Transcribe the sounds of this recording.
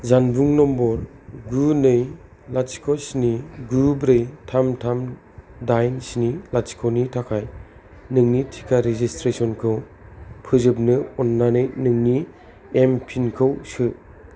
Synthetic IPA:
zanbuŋnɔmbɔɾ | ɡunɯj | lat͡ʃkʰɔsniɡubɾɯjtʰamtʰam | dajnsnilat͡ʃkʰɔwnitʰakʰaj | nɯŋnitʰi̥kʰaɾezistɾesɔnkʰɯw | pʰɯzɯp̚nɯɔnːanɯjnɯŋni | empʰinkʰɯwsɯ

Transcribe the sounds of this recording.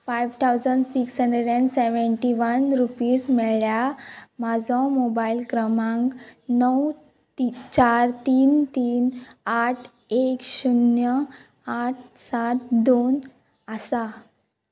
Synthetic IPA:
fajʋt̪ʰawd͡zəɳɖsiksɦə̃ɳɖeɖəɳɖseʋəɳʈiʋənɾupiːsmɛɭjamad͡zʱɔ̃mobailkɾəmãŋknəw | t͡ɕaɾt̪iːnt̪iːnaʈʰ | ekɕunjə | aʈ̚ʰsat̪d̪on | əsa

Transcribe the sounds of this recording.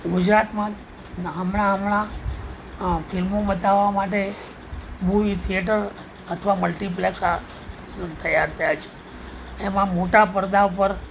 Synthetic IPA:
ɡud͡ʒɾat̪mã | ɦəmɳ̃aəmɳã | filmobət̪aʋːamaʈe | bʱuʋit̪ʰieʈ̬əɾ | ət̪ʰʋaməlʈip̬leksa | t̪ʰəjaɾt̪ʰəjat͡ʃʰe̥ | emãmoʈapəɾd̪apəɾ

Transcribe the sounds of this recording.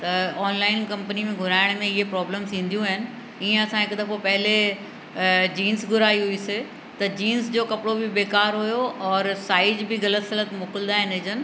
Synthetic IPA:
t̪ɐɔːnlaːɪnkɐ̃mpənimẽɡʱʊɾaːɪɽ̃mẽɪɦepɾɔːbləːmsʰĩːn̆d̪ijũaɦɪnɪ̆ | iːẽɐsãɦɪkd̪ɐkopɐɦɪle | d͡ʑiːnsɡʱʊɾaːiɦʊiːsɪ | t̪ɐd͡ʑiːnsd͡ʑoːkɐpɪɽobɪbeːkaːɾɦujoɔːɾsaːɪd͡ʑbɪɣɐlət̪sɐlət̪moːkɪld̪aːɦɪnɦɪd͡ʑənɪ̆

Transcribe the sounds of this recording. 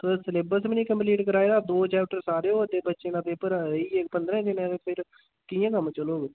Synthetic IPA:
t̪əsəleːbəɾs̬mnĩːkəmpliːʈkəɾaːeːd̪aːd̪oːt͡ʃaːʈəɾsaːɾeːoːəd̪eːbətːʃeːnãːp̪eːpəɾiːek̚pənd̪ɾɛ̃ːt̪enɛ̃ːepʰɪɾ | kiːjãːkəmt͡ʃəloːɡ

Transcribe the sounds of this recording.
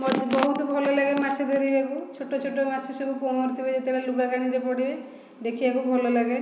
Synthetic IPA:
mɔd̪bɔɦut̪ɔbʱɔlɔlaɡemat͡ʃʰed̪ʱoɾibekut͡ʃʰoʈːot͡ʃʰoʈːomat͡ʃʰesebuponɔɾt̪ibed͡ʒet̪eɭeluɡaɡaɽ̃iɾepɔɽibe | d̪ekʰibakubʱɔlolaɡe

